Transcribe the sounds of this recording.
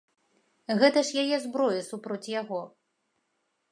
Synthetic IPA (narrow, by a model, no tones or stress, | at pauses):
ɣɛt̪ɐʂjajɛzbɾɔjɐsupɾɔt͡sʲjaɣɔ